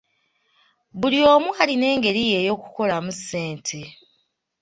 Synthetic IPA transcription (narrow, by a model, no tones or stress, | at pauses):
βulio̞ːmwaːline̞ːŋɡe̞ɾije̞jo̞ːku̥ko̞lamusːe̞ːntʰe̞